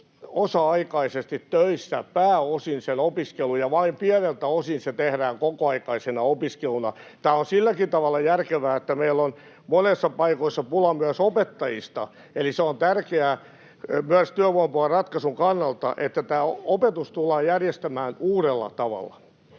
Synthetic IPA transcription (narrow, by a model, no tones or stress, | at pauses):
osɑɑikɑisest̪it̪tøisːæpæːosinsenopiskelujɑʋɑimpiɛnelt̪æosinset̪ehɾæːŋkokoɑikɑisenɑopiskelunɑ̰t̪æːonsilːækint̪ɑʋɑlːɑjærkeʋæːet̪ːæmeilːon | monesːɑpɑikoisːɑpulɑmyæsopet̪ːɑjist̪ɑ̰ | eliseont̪ærkeæ | myæst̪yæʋoimpoɑrɑt̪kɑsuŋkɑnːɑlt̪ɑ̰ʔet̪ːæt̪æːopet̪ust̪ulːˑɑːjærjest̪æmæːnuːɾelːɑ̰t̪ɑʋɑ̰lːˑɑ̰